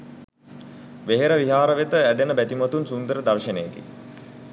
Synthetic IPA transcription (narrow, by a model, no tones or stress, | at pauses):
ʋeɦeɾəʋiɦaːɾəʋet̪əæd̪enəbæt̪imɐt̪unsund̪əɾəd̪arʃənejːɡḭ